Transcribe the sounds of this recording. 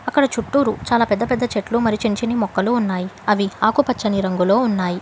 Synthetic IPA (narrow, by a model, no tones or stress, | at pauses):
ɐkːɐɽɐt͡ʃuʈːuːɾut͡ʃaːlaːpɛd̪ːɐpɛd̪ːɐt͡ʃeʈlumɐɾit͡ʃiɲt͡ʃinimɔkːɐluːunːaːjiɐʋiaːkupɐt͡ʃːɐniɾɐŋɡulo̞ːunːaːji